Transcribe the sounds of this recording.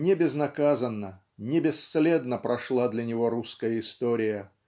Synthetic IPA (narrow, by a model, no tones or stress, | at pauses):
nʲɪbʲɪznɐkazənːə | nʲɪbʲɪst̪slʲed̪nəpɾʔɐʂlˠad̪lʲɐnʲɪvo̞ɾuskəjəɪst̪oɾʲɪjə